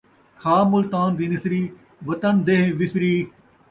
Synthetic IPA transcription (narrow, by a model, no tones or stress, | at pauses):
kʰaːmʊlt̪aːnd̪iːnɪsɾiː | ʋət̪ənd̪eɦʋɪsɾiː